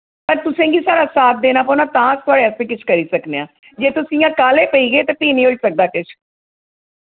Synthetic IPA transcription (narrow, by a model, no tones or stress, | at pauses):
pəɾt̪ʊsẽːɡiːsaːɾaːsaːt̪̚ʰd̪eːnaːpɔːnaːt̪ãːst̪waːɽeːspĩːkɪt͡ʃʰkəɾiːsəkneːã̰ː | d͡ʒeːt̪ʊsĩːãːkaːleːpəiːɡeːt̪ẽːp̪iːnĩːʊd͡ʒsək̚d̪aːkɪt͡ʃʰ